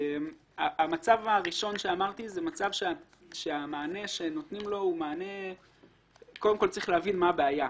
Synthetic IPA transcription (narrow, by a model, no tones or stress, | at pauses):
em | aamat͡savaʁiʃo̞nʃeamaʁt̪izemat͡savʃea | ʃe̞amaːne̞ʃe̞no̞t̪nimlo̞umaːne̞ | ko̞demko̞lt͡saʁiχleavinmabeaja